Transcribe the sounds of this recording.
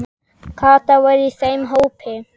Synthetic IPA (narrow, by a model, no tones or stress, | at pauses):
kʰaːt̪ɐwɐɾisɐjmɦowpʰe